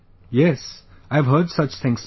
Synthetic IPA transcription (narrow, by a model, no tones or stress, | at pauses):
jɛs | aɪv̥ɦɜ˞dsʌt͡ʃθɪ̃ŋz̥